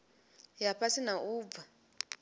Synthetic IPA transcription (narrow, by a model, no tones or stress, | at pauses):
japʰasinauːb̪va